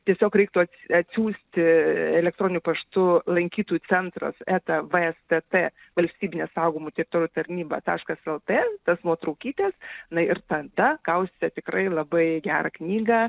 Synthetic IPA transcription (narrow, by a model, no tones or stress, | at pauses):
t̪ʲiɛsʲoːkɾʲɛɪkt̪ʊɐt̪sɐt̪ʲsʲuːsʲt̪ʲɪɛlʲɛk̚t̪ɾoːnʲɪnʲʊpɐʃt̪ʊlˠɐŋʲkʲiːt̪uːjut͡s̪ʲɛnt̪rɐ̰sæːt̪ɐʋəɛst̪ɛt̪e | ʋɐlʲsʲt̪ʲiːbʲɪnʲeːsɐʊɡʊːmut̪ʲɛɾʲɪt̪oːɾʲjːt̪ɐɾʲnʲiːbɐ̰t̪ɑ̰ːʃkɐsɛlˠt̪eːt̪ɐsnuɔt̪ɾɐʊkʲiːt̪ʲɛːsnɐɪrt̪ɐd̪ɐkɐʊsʲt̪ʲɛt̪ʲɪkrɐɪlˠɐbɐɪɡʲæːɾɐ̰knʲiːɡɐ